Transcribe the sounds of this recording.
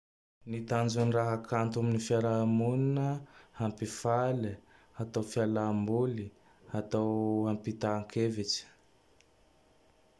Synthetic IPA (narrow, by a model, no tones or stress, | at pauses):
nit̪and͡ʒunraɦakʰant̪aminifialamuninəhampifali | at̪awfialambuli | at̪awampit̪aŋkʰevit͡ʃi̥